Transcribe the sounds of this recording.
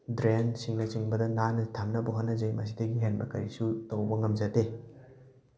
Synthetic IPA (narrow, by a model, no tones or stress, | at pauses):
dɾensiŋnɐt͡ʃiŋbɐdɐnanɐtʰamnɐbɐɦonːɐzɐjmɐs̬idɐɡiɦenbɐkɐɾisutowbɐŋɐmzɐte